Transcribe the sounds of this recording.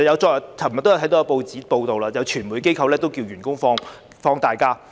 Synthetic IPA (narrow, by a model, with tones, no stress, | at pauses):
jɐ˨˧wt͡ʃɔː˧kjɐ˨˩tʰɐ˨˩m˨t̪ːjtʰɐ˨˥jt̪ːpo˧wt͡siː˨˥po˧wt̪o˨wlaː˧jɐ˨˧wt͡ʃʰyː˨˩nmuː˨˥jke˥jkʰɐ˧wlɛː˥t̪o˥wkiː˧wjyː˨˩nkʊ˥ŋfɔː˥ŋ | fɔː˥ŋt̪aː˨jkaː˥